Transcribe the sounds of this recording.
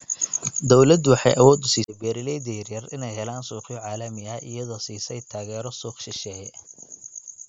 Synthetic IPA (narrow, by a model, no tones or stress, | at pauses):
d̪ɔwlɐd̪wɑħɑ̰jʔɐ̰wɔːd̪ʊsiːsɛjbɛːɾɪlɛjd̪ɛjɐrjɐrɪnɛjɦɛlaːnsuːqɪjɔʕaːlɐmɪɐʔɪ̰jɐðɔːsiːsɛjt̪ʰaːɣɛːɾɔsuːqʃɪʃɛːjɛ